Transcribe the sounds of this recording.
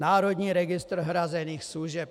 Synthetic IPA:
naːɾɔd̪ɲiːɾɛɡist̪r̩ɦɾazɛniːxsluʒɛp

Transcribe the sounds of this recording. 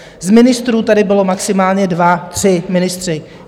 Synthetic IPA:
zmɪnɪst̪ɾuːt̪adɪbɪlo̞maksɪmaːlɲɛdvat̪r̝̥ɪmɪnɪst̪r̥ɪ

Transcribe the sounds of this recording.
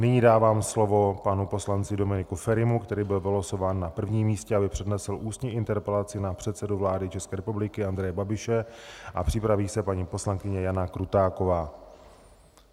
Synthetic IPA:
nɪɲiːdaːvaːmslo̞vo̞panupo̞slant͡sɪdo̞mɪnɪkufɛɾɪmukt̪ɛɾiːbɪlvɪloso̞vaːnːapr̩vɲiːmːiːscɛabɪpr̥ɛdnɛsɪlʔuːst̪ɲiʔɪnt̪ɛɾpɛlat͡sɪnapr̝̥ɛt̪sɛduvlaːdɪt͡ʃɛskɛːɾɛpublɪkɪandɾɛjɛbabɪʃɛʔa̰pr̥ɪpɾaviːsɛpaɲiːpo̞slaŋkɪɲɛjanakɾut̪aːko̞vaː

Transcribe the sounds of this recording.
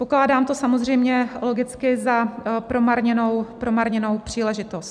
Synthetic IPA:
po̞klaːdaːmt̪o̞samozr̝ɛjmɲɛlo̞ɡɪt͡skɪzapɾo̞maɾɲɛnowpɾo̞maɾɲɛno̞wpr̝̥iːlɛʒɪt̪ost̪̚

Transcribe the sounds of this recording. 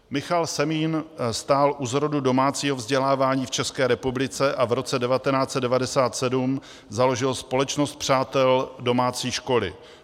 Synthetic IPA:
mɪxalsɛmiːnst̪aːlʔuzɦɾodudo̞maːt͡siːɦovzɟɛlaːvaːɲiːft͡ʃɛskɛːɾɛpublɪt͡sɛʔavɾo̞t͡sɛdɛvat̪ɛnaːt͡sɛt̪d̚ɛvadɛsaːt̪sɛdum | zalo̞ʒɪlspo̞lɛt͡ʃnost̪̚pr̝̥aːt̪ɛldo̞maːt͡siːʃko̞lɪ̰

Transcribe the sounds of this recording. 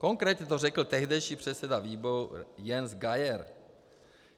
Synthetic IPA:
ko̞ŋkɾɛːt̪ɲɛt̪orɛkl̩t̪ɛɦdɛjʃiːpr̝̥ɛt̪sɛdaviːboɾujɛnzɡajɛɾ

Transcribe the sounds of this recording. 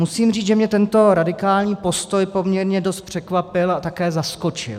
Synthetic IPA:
musiːmriːt͡sʒɛmɲɛt̪ɛnt̪o̞ɾadɪkaːlɲiːpo̞st̪o̞jpo̞mɲɛɾɲɛdo̞st̪̚pr̝̥ɛkvapɪlat̪akɛːzasko̞t͡ʃɪ̰l

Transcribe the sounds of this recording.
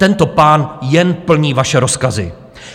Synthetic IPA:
t̪ɛnt̪o̞paːnjɛnpl̩ɲiːvaʃɛɾo̞skazɪ̰

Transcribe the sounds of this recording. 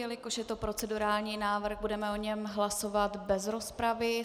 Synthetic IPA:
jɛlɪko̞ʃjɛt̪o̞pɾo̞t͡sɛduɾaːlɲiːnaːvr̩xbudɛmɛoɲɛmɦlaso̞vat̪bɛzɾo̞spɾavɪ

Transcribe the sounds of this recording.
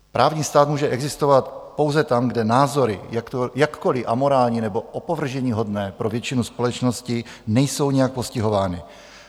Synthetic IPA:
pɾʔaːvɲiːst̪aːt̪muːʒɛʔɛɡzɪst̪ovat̪po̞wzɛt̪amɡdɛnaːzo̞ɾɪ̰jakt̪ojakːolɪʔamoɾaːlɲinɛbo̞ʔopovr̩ʒɛɲiːɦo̞dnɛːpɾovjɛt͡ʃɪnuspo̞lɛt͡ʃnoscɪ | nɛjso̞wɲɛjak̚poscɪɦo̞vaːnɪ

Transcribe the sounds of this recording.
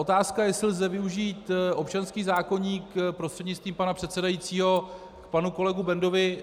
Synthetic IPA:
ʔot̪aːskajɛsɪlzɛvɪuʒiːt̪ʔo̞p̚t͡ʃanskiːzaːko̞ɲiːkpɾost̪r̥ɛdɲɪtt͡sst̪viːmpanapr̝̥ɛt̪sɛdajitt͡siːɦo̞ | kpanuko̞lɛɡubɛndo̞vɪ

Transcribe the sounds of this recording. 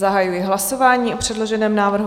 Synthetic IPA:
zaɦajujɛɦlaso̞vaːɲiːʔopr̝̥ɛdlo̞ʒɛnɛːmnaːvr̩ɦu

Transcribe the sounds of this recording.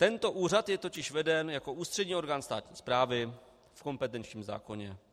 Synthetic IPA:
t̪ɛnt̪o̞ʔuːr̝at̪jɛt̪o̞cɪʃvɛdɛnjako̞ʔuːst̪r̥ɛdɲiːo̞ɾɡaːnst̪aːt̪ɲḭːspɾaːvɪ | fko̞mpɛt̪ɛnt͡ʃɲiːmza̰ːko̞ɲɛ

